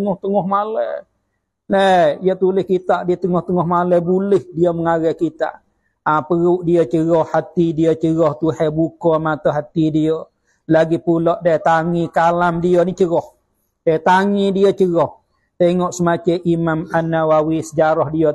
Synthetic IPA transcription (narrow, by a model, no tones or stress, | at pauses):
əŋɔht̪əŋɔhmalə | nəjət̪ulɪhkit̪aʔdiət̪əŋɔht̪əŋɔhmaləbulɪhdiəməŋaɾɛhkit̪a̰ʔ | apəɣuʔdiət͡ʃəɣɔhːat̪idiət͡ʃəɣɔht̪uhɛbukɔmat̪oɦat̪idiə | laɡipuloʔdat̪aŋikalamdiənit͡ʃəɣɔh | dajt̪aŋidiət͡ʃəɣɔh | t̪eŋɔʔsəmat͡ʃəʔimamanːawawisəd͡ʒaɾɔhdiə